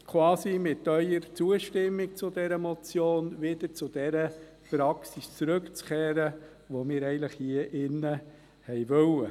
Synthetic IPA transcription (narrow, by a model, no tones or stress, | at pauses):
kʰwɑːsimɪtœʏəɾt͡suəʃtɪmːik̚t͡sʊd̥ɛɾəmɔt͡sjoːnʋɪd̪̥əɾt͡sʊd̥ɛɾə | pɾɑksist͡sɾɵkt͡skʰeːɾə | ʋomɪːɾɛɪɡənləχhiəʔɪnːə | hɛjʋœlə